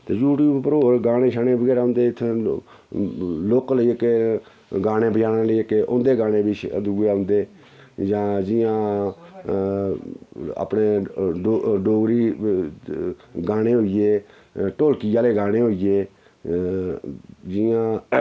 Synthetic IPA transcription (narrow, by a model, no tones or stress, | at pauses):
t̪eːjuːʈjuːbpəɾoːɡaːɽ̃ẽːʃʰaːneːbəɡɛːɾaːɦʊ̃nd̪eːt̪ʰː | loːkləiːke | ɡaːɽẽːbəd͡ʒaːnaːləiəkeʔʊ̰nd̪eːɡaːɽ̃ẽːbɪʃʰd̪uɡeɦʊ̃nd̪eː | d͡ʒãːd͡ʒɪjãː | a̰ːpneːɖoɖoːɡɾiː | ɡaːɽ̃eːɦoːijeː | ʈoːlkɪjaːleːɡaːɽ̃eːɦoːijeː | d͡ʒɪjãː